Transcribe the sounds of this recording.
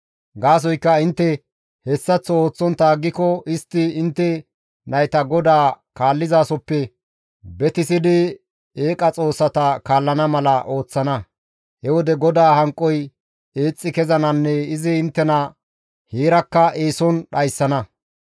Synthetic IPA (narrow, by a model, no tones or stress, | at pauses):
ɡaːs̬ɔjkːɐɪnt̪ːɛ | hɛsːɐt͡sːɔo̞ːt͡sːɔnt̪aːɡːɪkɔɪst̪ːɪɪnt̪ːɛ | nɐjt̪ɐɡɔd̪aːkaːlːɪzaːsɔpːɛ | bɛt̪ɪsɪd̪ɪ | eːkʼɐt͡sʼo̞ːsːɐt̪ɐkaːlːɐnɐmɐlɐʔo̞ːt͡sːɐnɐ | hɛwɔd̪ɛɡɔd̪aːhɐŋkʼːɔj | eːt͡sʼːɪkɛzɐnɐnːɛɪzɪɪnt̪ːɛnɐ | heːɾɐkːɐʔeːsɔnɗɐjsːɐnɐ